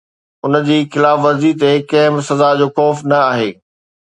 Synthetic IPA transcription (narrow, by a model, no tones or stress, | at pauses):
ʊnə̆d͡ʑiːxɪlaːfʋɐzit̪ekɐɦɪmsɐzad͡ʑoːxɔːfnɐaːɦḛː